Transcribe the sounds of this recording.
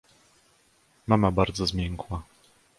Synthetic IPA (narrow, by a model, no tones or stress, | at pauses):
mamabaɾd̪zɔzmʲjɛŋkwa